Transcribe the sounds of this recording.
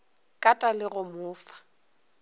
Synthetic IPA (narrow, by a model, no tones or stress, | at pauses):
kʼatʼalɪɣʊmʊːfḁ